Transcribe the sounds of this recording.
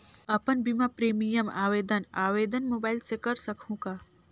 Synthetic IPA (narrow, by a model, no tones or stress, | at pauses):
apənbʱimapɾemijəma̰ʋed̪ənaʋed̪ənmobailt͡sekəɾsəkʰũka